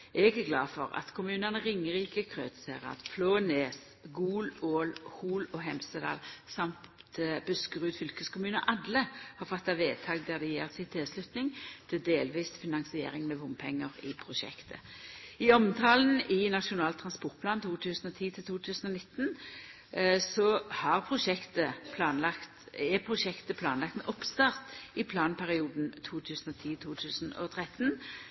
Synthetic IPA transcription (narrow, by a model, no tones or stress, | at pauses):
ʔɛɪɡɡlɑːfɔ̰ʁɑ̰t̪kʰʊmʉːnənəʁɪŋːəʁiːkəkʰʁøːt̪seːʁɑ̰t̪pʰloːəneːs | ɡuːloːlhuːlɔːɦɛmsəd̪ɑ̰ːlsɑmt̪t̪b̥ʉskʁʉːt̪fʏlkəskʊmʉːnəʔɑd̪ləhɑːʁfɔt̪ːɑʋeːt̪ʰɑːɡ̚d̪æːd̪ɛjḛːʁsɪt̪ʰɛslʉt̪nɪŋt̪ʰɪld̪eːlʋiːsfɪnɑŋsɪḛːʁɪŋmɛʋʊnpʰɛŋːəʁɪpʰʁʊʃɛ̰kt̪ʰə̰ | ɪɔmt̪ʰɑːlnɪnɑʃʊnɑːlt̪ʰʁɑnspɔʁt̪̚pʰlɑːnt̪ʰuːt̪ʰʉːsn̩ɔt̪ʰiːt̪ʰɪlt̪ʰuːt̪ʰʉːsn̩ɔnɪt̪n | sɔhɑʁpʰʁʊʂɛkt̪əpʰlɑːnlɑkt̪ | ɛpʰʁʊʂɛkt̪əpʰlɑːnlɑkt̪mɛʔɔpst̪ɑʁt̪ɪpʰlɑːnpʰæʁɪuːd̪nt̪ʰuːt̪ʰʉːsn̩ɔt̪ʰiːt̪ʰuːt̪ʰʉːsnɔ̰t̪ʰʁɛt̪n